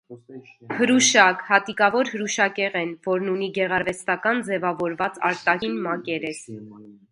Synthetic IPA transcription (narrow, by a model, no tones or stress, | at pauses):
həɾuʃɑkhɑt̪ikɑvɔɾhəɾuʃɑkɛʁɛnvɔɾnuniɡɛʁɑɾvɛst̪ɑkɑnd͡zɛvɑvɔɾvɑt͡sɑ̰ɾt̪ɑhinmɑkɛɾɛs